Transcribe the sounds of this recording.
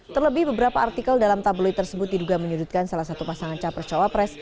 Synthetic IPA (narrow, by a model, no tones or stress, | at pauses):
t̪ərləbɪhbəbəɾapaːrt̪ikəldalamt̪abəlɔjt̪ərsəbʊt̪̚diduɡaməɲudut̪̚kansalahsat̪upasaŋant͡ʃapərt͡ʃawapɾɛs